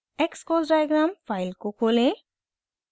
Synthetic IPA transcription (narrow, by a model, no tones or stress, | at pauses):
ekskɔzɖajɡɾampʰajlkokʰole